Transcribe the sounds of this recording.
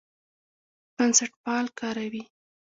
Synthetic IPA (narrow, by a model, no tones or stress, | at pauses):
b̥ansaʈpɑlkɑɾawi